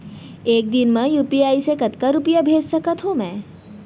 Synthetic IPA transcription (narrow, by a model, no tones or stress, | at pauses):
eːk̚d̪ɪnmẽjuːpiaːisekɐt̪kaɾʊpəjabʱeːd͡ʒsɐkət̪ʰɦomɛ̃ː